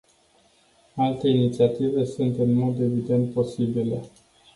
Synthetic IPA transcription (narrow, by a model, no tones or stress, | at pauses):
alt̪e̞init̪siat̪ive̞sunt̪ɨnmo̞d̪e̞vid̪e̞nt̪̚po̞sibile̞